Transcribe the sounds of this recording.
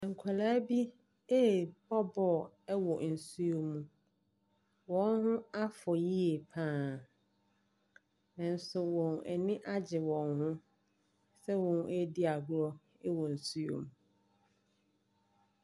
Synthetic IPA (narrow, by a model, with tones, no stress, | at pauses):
ã˨ŋ̩˨kʰa˨laː˦bi˦ | e˦bɔ˦bɔ˦˨ | ɛ˦wɔ˨n̩˨su˦o˦mũ˨ | wɔ̃˨˦nhʊ̃˦a˦fɔ˨ji˦e˨pʰãː˦˨ | nã˨n̩˦sʊ˨wɔ̃˨nɛ̰˨nɪ̃˦ʔa˦d͡ʑɪ˨wɔ̃˨nhʊ̃˦ | sɛ˦wɔ̃˨n˦æ˦di˦a˨ɡʊ˦ɾɔ˦ | ɛ˦wɔ˨n̩˨su˦o̰˨mũ˨